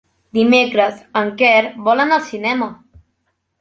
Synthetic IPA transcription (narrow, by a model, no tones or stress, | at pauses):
d̪imekɾəzəŋkɛɾβɔlənəlˠsinɛmə